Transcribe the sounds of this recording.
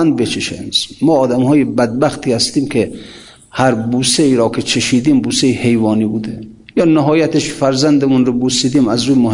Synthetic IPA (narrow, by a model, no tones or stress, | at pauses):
nd̪̚bet͡ʃʰeʃḛnzmɒːd̪æmhɒːjebæd̪̚bæxt̪ʰiːhæst̪iːmkʰe | hæɾbuːseiːɾɒːkʰet͡ʃʰeʃiːd̪iːmbuːseihe̞jvɒːniːbuːd̪e | jɒːnæɦɒːjæt̪eʃfæɾzænd̪emunɾobusiːd̪iːmæzɾuːjmoh